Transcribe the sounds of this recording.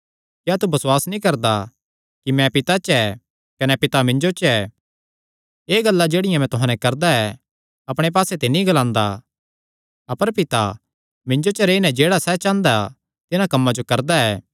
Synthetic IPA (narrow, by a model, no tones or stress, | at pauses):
kjaːt̪ubɐswaːsnĩkɐɾd̪a | kimɛ̃pɪt̪at͡ʃɛ | kɐnɛpɪt̪amɪ̃ɲd͡ʒot͡ʃɛː | eːɡɐlːad͡ʒeːɽɪjãmɛ̃t̪ʊɦãːnɛkɐɾd̪aɛ | ɐpɽ̃ep̬aːset̪enĩɡɐlãːnd̪a̰ | ɐpəɾpɪt̪a | mɪ̃ɲd͡ʒot͡ʃəɾeːinɛd͡ʒeːɽasɛːt͡ʃãːnd̪a | t̪ɪnakɐmːad͡ʒokɐɾd̪aɛː